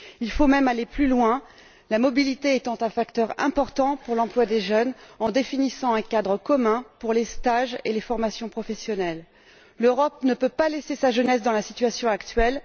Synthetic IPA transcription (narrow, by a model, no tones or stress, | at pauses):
ilfomɛmaleplylwɛ̃ | lamɔbilit̪eɛt̪ɑ̃t̪ɛ̃fakt̪œʁɛ̰̃pɔʁt̪ɑ̃puʁlɑ̃plwad̪eʒœnɑ̃d̪efinisɑ̃ɛ̃kad̪ʁəkɔmɛ̃puʁlest̪aʒelefɔʁmasjɔ̃pχɔfɛsjɔnɛlː | øʁɔp̚nəpøpalɛsesaʒənɛsd̪ɑ̃lasit̪ɥasjɔ̃akt̪ɥɛl